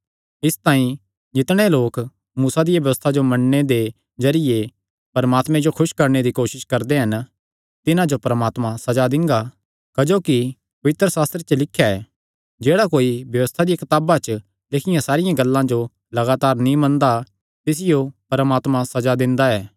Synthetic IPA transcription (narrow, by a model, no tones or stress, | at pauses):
ɪst̪ãːĩ | d͡ʒɪt̪ɽ̃eloːk | muːsad̪ɪjabjɐʋəst̪ʰad͡ʒomɐɳned̪e | d͡ʒɐɾɪje | pɐɾmaːt̪mɛ̃d͡ʒokʰʊʃkɐɾɳ̃ed̪ikoːʃɪʃkɐɾd̪eɦɐn | t̪ɪnãd͡ʒopɐɾəmaːt̪mãsɐd͡ʒad̪ɪ̃ŋɡa | kɐd͡ʒoːki | pɐʋɪt̪ɾəsaːst̪ɾet͡ʃəlɪkʰːjaɛː | d͡ʒeːɽakoːibjɐʋəst̪ʰad̪ɪjakɐt̪aːbat͡ʃ | lekʰɪjãsaːɾɪjãɡɐlːãd͡ʒo | lɐɡaːt̪aːɾnĩmɐ̃nd̪a | t̪ɪs̬ɪjopɐɾəmaːt̪mãsɐd͡ʒad̪ɪ̃nd̪aɛː